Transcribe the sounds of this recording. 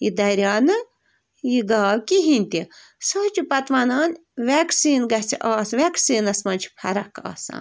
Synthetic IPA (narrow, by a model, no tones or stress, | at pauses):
jid̪ɐɾʲjaːnɨ | jiɡaːwkiɦinʲt̪i | sɐːt͡ʃupɐt̪ʋɐnaːn | ʋʲɛːksiːnɡɐt͡siʔɑːsʋʲeːksiːnɐsmɐnʲt͡ʃʰi̥pʰɐɾɐkɑ̰ːsã̰ːn